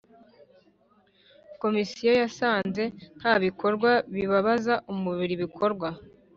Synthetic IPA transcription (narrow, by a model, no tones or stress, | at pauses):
ko̞misijo̞jasaːnze̞n̥haβiko̞ɾɡwaβiβaβazaʔumuβiɾiβikʰo̞ɾɡwa